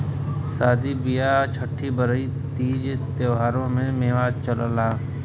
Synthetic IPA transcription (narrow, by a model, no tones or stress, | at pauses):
saːd̪ibijat͡ʃʰəʈʰːibəɾəit̪iːd͡ʒt̪eɦaːɾõmẽmeːʋaːt͡ʃələlaː